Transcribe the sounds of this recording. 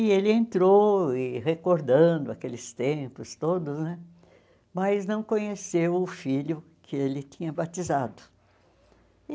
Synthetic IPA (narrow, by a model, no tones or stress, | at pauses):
ɪelɪẽnt̪ɾoɪhekoɾd̪ɐ̃d̪ʊakelɪst̪ẽmpʊst̪od̪ʊznɛ | mɐznɐ̃w̃kõɲesewʊfilʊ | kʰɪelɪt̪ĩɲɐbat̪izad̪ʊ